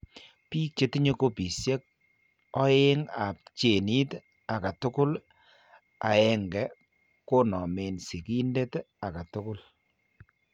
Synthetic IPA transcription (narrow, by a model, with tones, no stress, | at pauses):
piː˦k̚t͡ʃe˦ti˦ɲe˦ko˦pi˨sje˦k̚ | ɔ˦e˦ŋa˨p̚t͡ʃe˨ni˦t | a˨ka˨tʊ˦kʊ˦l | a̰˨ɛ˦ŋɡɛ˨ | ko˦nɔ˨me˨nsi˨ki˦nde˦t | a˨ka˨tʊ˦kʊ˦l